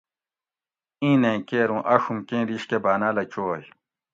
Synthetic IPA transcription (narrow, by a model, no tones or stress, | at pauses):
ĩːnẽkeːɾũːʔɐʂumkẽːɾiɕkebaːnalɐt͡ɕoːj